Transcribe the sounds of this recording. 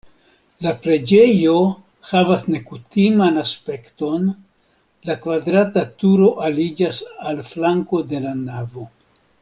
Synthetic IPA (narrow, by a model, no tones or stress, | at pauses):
lapɾe̞d͡ʒe̞jo̞ | havasne̞kutimanaspe̞kto̞n | lakvadɾatatuɾo̞ʔalid͡ʒasalflaŋko̞de̞lanavo̞